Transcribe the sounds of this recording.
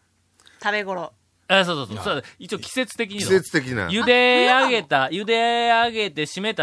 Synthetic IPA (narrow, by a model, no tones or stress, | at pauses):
t̪abeɡo̞ɾo | asoːsoːsosoit͡ɕiokʲi̥se̞t͡sɨ̥t̪e̞kʲiɲ̟iset͡sɨ̥t̪ekʲina̰jɯd̪e̞aɡe̞t̪ajɯ̟d̪e̞aɡe̞t̪e̞ɕime̞t̪a